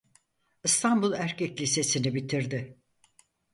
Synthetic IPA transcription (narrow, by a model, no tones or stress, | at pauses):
ɯst̪ʰanbulˠæɾcʰɛclʲise̞sinibit̪ʰiɾd̪ɪ